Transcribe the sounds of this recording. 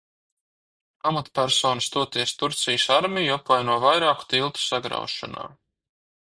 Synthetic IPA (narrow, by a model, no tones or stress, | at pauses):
amat̪pʲæɾsoːnst̪uɔt̪iɛst̪uɾt̪sijəsaɾmʲijuapvajnuɔvajɾaːku̥t̪ilˠt̪u̥saɡɾa̰wʃa̰na̰ː